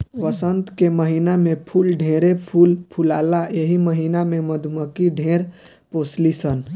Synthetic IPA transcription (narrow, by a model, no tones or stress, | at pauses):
ʋəsənt̪keməɦinamẽpʰulɖʱẽɾepʰulpʰulaːlaeɦiməɦinamẽməd̪ʱuməkiɖʱẽɾ | poslisən